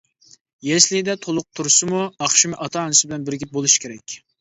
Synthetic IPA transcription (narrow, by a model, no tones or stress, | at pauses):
jɛslɪd̪ɛt̪ʰolˠʊq̚t̪ʰuɾsɨmuɑχʃimɪʔɑt̪ʰɑnɨsɪbɪlɛnbɪɾɡʲɪp̚bolˠuʃi̥kʲʰeɾɛkʲ